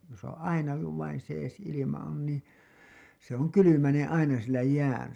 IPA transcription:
jos on ɑinɑki kuʋ ʋɑin seːs ilimɑ on nĩː se oŋ kylymænen ɑinɑ sielæ jæːn

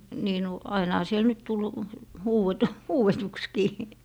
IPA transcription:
niː nu ɑinɑhɑ siel nyt tul huːwetu huːwetukskiː

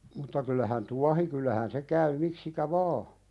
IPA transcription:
mutːɑ kylːæhæn tuɑhi kylːæhæn se kæy miksikæ ʋɑː

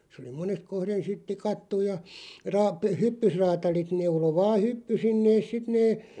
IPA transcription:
sĕ oli monest kohren sit tikɑtːuj̆ jɑ rɑːp hypːysrɑːtɑlit neulo ʋɑːh̆ hypːysin neːs̆ sit neː

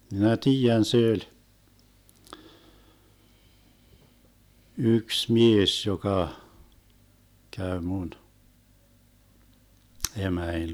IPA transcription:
minæ tiːjæn se ølʲ yks mies jokɑ kæy mun emæin

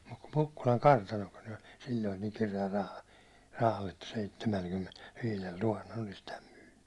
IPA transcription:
mut ku mukːulɑŋ kɑrtɑnokin ol silʲːoin niːn kireæl rɑhɑ rɑhɑl etːæ seitːemælkymːenelʋiːlel tuhɑnːel olis tæm myːnːy

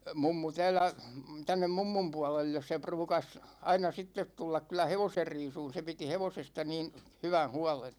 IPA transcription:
mumːu tæːlːæ tænːem mumːum puɒlelːes se pruːkɑs ɑinɑ sitːet tulːɑk kylˑæ heʋoser riːsuːn se piti heʋosestɑ niːn hywæn̞ huɒlen

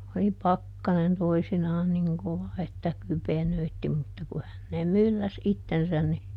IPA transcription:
oli pɑkːɑnen toisinɑːn niŋ koʋɑ etːæ kypenøitːi mutːɑ ku hænːeːm̆ mylːæs itːensæn ni

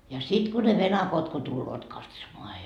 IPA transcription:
jɑ sit ku ne ʋenɑkot ko tulːoːt kɑtsomoɑ

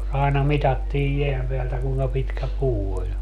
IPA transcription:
ɑenɑ mitɑtːiːj jeæm peæltæ kuːŋkɑ pitkæ puː olʲ

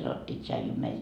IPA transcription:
sɑnotːiː tʃɑiju meil

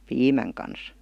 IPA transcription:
piːmæŋ kɑns

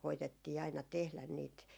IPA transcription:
koitetːiː ɑinɑ tehlæn niːt

